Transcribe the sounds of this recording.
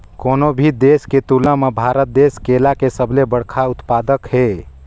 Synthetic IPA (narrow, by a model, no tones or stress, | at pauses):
koːnobʱid̪esket̪ulə̃mebʱaɾət̪̚d̪eːskelakesəbʱlebəɽkʰaʊt̪pad̪əkɦe